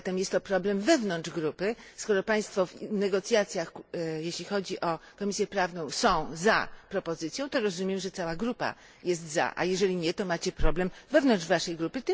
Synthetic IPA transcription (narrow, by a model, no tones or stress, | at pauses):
t̪ɛmjɛst̪ːɔpɾɔblɛmvɛvnɔnd̪ʐɡɾupɘskɔɾɔpaj̃st̪fɔvnɛɡɔt̪sʲjat̪sʲjaxjeɕlʲixɔd͡ʑiʔɔkɔmʲisʲjɛpɾavnɔ̃w̃sɔ̃w̃za̰pɾɔpɔzɘt̪sʲjɔ̃w̃t̪ɔɾɔzumʲjɛmʐɛt̪sawaɡɾupa̰ | jɛst̪za̰ʔa̰jɛʐɛlʲiɲɛt̪ɔmat͡ɕɛpɾɔblɛmvɛvnɔnʐvaʂɛjɡɾupɘt̪